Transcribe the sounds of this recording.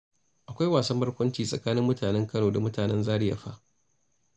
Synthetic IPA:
ʔa˨kʷa˦jwaː˨sɐ˦mbɐ˦rkʷɐ˦nt͡ʃiː˨sʼɐ̰˨kaː˦nɪ˦mːʊ˦taː˨nɛ˦ŋkɐ˦noː˨da˨mʊ˦taː˨nɛ˦nzaː˦ɽɪ˦ja̰˨ɸa̰˦ʔ

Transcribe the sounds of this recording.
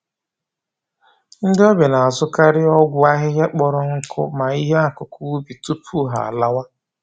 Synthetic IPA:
n̩˦dɪ˦ɔ˦be˨na˨a˨zʊ˦ka˦ɾɪ˦ɔ˦ɡʷʊ˦a˦ɦɪ˦ɦe˦k͡pɔ˦ɾɔ˦ŋ̩˦kʰʊ̰˦ma˨i˦ɦe˦a˦˨kʊ˨ku˦bi˨tu˦pʰu˦ɦa̰˨a̰˨la˦wa˦

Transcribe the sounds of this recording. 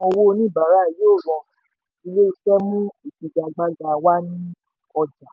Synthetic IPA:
o˧wo˦˧nĩ˦˨ba˨ɾa˦i˨jo˦˨ɾɔ̃˨˧ | i˧le˦o˧fɛ˦mũ˦i˨kĩ˨d͡ʒa˧˨ɡ͡ba˦ɡa˧wa˦nĩ˦ | ɔ˧d͡ʒa˨

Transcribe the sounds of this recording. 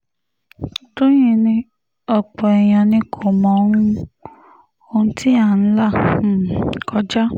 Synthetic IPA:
to˦j̃ĩ˦˨nĩ˧ | ɔ˨k͡pɔ˨ɛ˨j̃ã˨nĩ˧kʰo˨mɔ̃˨˦ũ˦ | o˧ũ˦tʰi˦a˦˨˦n̩˦la˦˨˦ | kɔ˧˦d͡ʒa˦

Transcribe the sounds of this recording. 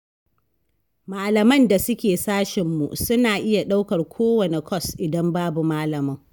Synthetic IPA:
maː˨lɐ˨mɐ˦nda˨sʊ˦kʲeː˨saː˦ʃɪ˨mːṵ˨sʊ˦naː˨ʔɪ˦ja˨ɗa˦wkɐ˨rkʷʰoː˦wɐ˨ne˨kʰɔ˦sʔɪ˨dɐ˦mbaː˦bu˨maː˦lɐ˨mɐ˦ŋ

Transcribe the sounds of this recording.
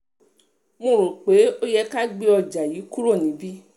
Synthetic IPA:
mõ˧˨ɾo˨k͡pe˨˦o˦jɛ˧ka˦ɡ͡be˧ɔ˧˨d͡ʒa˨ji˨˦ku˦ɾo˦˨nĩ˨˦bi˦

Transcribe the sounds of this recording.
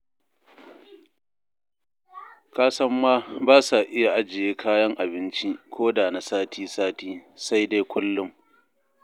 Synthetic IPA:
kaː˦sɐ˦mːaː˦baː˦sa˨ʔɪ˦ja˨ʔa˦d͡ʒɪ˨jeː˦kʰaː˦jɐ˦ŋʔa˨bɪ˦nt͡ʃi˦kʷʰoː˦daː˨na˨saː˦tʰiː˦saː˦tiː˦sa˦jde˦jkʷʊ˦lːʊ˦m

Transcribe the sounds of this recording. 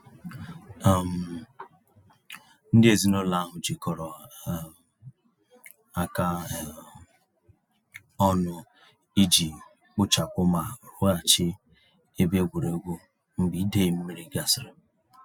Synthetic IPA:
a˨m̩˨ | n̩˦dɪ˦e˨zi˦no˦la˦a˦ɦʊ˨d͡ʒi˨kɔ˨ɾɔ˨ | a˨ka˦˨ | ɔ˦nʊ˦ | i˦d͡ʒi˨ | k͡pʊ˦t͡ʃa˨k͡pʊ˦ma˨ɾʊ˦a˨t͡ʃɪ˦ | e˦be˦ɡʷu˨ɾe˨˦ɡʷu˦ | m̩˦bi˨˦i˦de˦˨m̩˦me˦ɾi˦ɡa˨sɾɔ˨

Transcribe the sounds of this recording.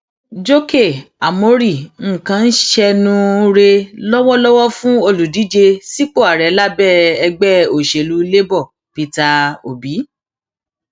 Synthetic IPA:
d͡ʒo˦ke˦˨a˨mo˨˦ɾi˦˨ŋ̩˦˨kã˨˧n̩˦ʃɛ˧nũ˦ɾe˧lɔ˦wɔ˦lɔ˦wɔ˦fũ˦o˧˨lu˨di˨˦d͡ʒe˧si˦k͡po˦˨a˨ɾɛ˨˦la˦bɛ˦˨ɛ˧ɡ͡bɛ˦˨o˨ʃe˨lu˨˦le˦bɔ˦˨ | pi˧ta˧o˨bi˨˦

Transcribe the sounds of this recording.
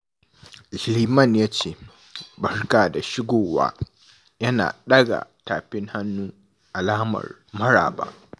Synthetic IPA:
zliː˨mɐ˦˨njaː˦t͡ʃeː˦˨ | bɐ˦ɽkaː˨da˨ʃɪ˦ɡʷoː˨wa̰ː˦ | jɐ˦na̰ː˨ɗɐ˦ɡa̰˨taː˨ɸɪ˦ŋha˦nːuː˦ | ʔa˨laː˦mɐ̰˨r | mɐ˦ɽa̰ː˨ba̰ː˦ʔ

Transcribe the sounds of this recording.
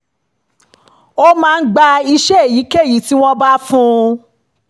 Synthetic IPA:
o˦mãː˦˧n̩˦ɡ͡ba˧i˧ʃɛ˦e˦˨ji˨˦ke˦˨ji˨˦ti˦w̃ɔ̃˦ba˦fũ˦

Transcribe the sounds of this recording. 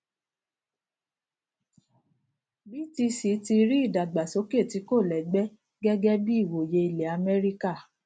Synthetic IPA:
bi˦ti˧si˨˦ti˧ɾi˦i˦˨da˨ɡ͡ba˨so˨˦ke˦˨ti˨˧˦ko˦˨lɛ˨ɡ͡bɛ˦ | ɡɛ˦ɡɛ˦bi˦i˦˨wo˨je˧i˧˨le˨a˧mɛ˦ɾi˦ka˦˨

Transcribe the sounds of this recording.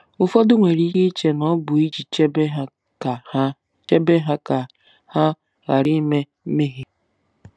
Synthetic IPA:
ʊ˨fɔ˦dʊ˦ŋʷe˨ɾi˦ɦi˦t͡ʃe˦nɔ˦bʊ˨i˦d͡ʒi˨t͡ʃbe˦˨˦ | t͡ʃe˦be˦ɦa˦ka˨ | ha˦ | ɣa˨ɾi˦me˦ | me˦ɦi˨

